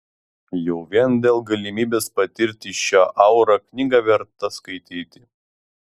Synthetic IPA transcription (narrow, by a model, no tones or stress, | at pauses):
jɛʊʋʲiɛnd̪ʲeːlˠɡɐlʲɪmʲiːbʲeːspɐt̪ʲɪɾʲt̪ʲɪʃʲaːʔɐʊɾɐknʲɪɡɐʋʲɛɾt̪ɐskɐɪt̪ʲiːt̪ʲɪ